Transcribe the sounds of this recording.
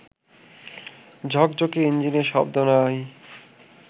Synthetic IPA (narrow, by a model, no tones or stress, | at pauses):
d͡ʑʱɔk̚d͡ʑokeind͡ʑineɾʃɔb̚d̪onaj